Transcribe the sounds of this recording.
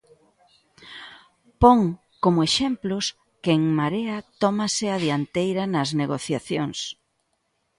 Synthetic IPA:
poŋ | komʊeʃemplʊs | keeŋmaɾeɐt̪ɔmɐsɪaðiant̪ejɾɐnɐzneɣoθjaθjoŋs

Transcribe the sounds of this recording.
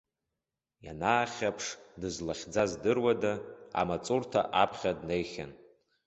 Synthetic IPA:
janaːχʲapʰʂdɨzlaχʲd͡zazdɨrwadaa̰mat͡sʼurtʰaʔapʰχʲadnejχʲan

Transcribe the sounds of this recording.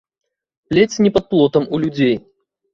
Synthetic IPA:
plʲet͡sʲnʲɛpɐt̪̚plˠɔt̪ɐmulʲud͡zʲej

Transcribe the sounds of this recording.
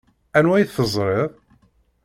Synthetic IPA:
ænwæjθəzˤɾˤeðˤ

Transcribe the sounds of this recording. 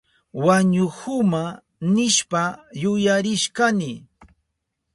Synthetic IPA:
waɲʊhʊma | nɪʃpajʊjaɾɪʃkanɪ

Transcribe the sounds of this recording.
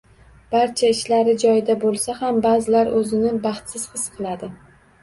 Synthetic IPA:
b̥aɾt͡ʃʰaɪʃlaɾɪd͡ʒɒjɪd̪abolˠsahambazɪlaɾɵzɪnɪbɑχt̪sɪz̥hɨsqʰɨlˠad̪ɪ

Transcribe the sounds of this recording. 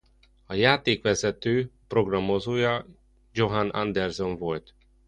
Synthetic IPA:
ɒjaːt̪eːkʋɛzɛt̪øːpro̞ɡrɒmo̞zoːjɒ | d͡ʒo̞ɦanɒ̰nd̪ɛrzo̞ɱvo̞lt̪

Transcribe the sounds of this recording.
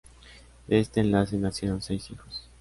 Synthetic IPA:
d̪ee̞st̪e̞ːnlase̞nasjeɾonse̞jsixos

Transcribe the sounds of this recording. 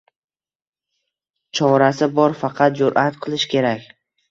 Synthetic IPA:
t͡ʃʰɒɾasɪbɒɾfɑqʰɑt̪̚d͡ʒʊɾʔat̪qʰɨlˠɪʃkʲʰe̞ɾakʲ

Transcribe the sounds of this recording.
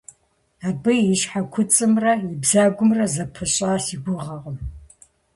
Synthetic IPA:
aːbɨjiʃħakʷʰʊt͡sʼɨmrɐibzaːɡʷʊmrɐzɐpʰɨɕʼaːsiɡʷʊʁɐʁəm

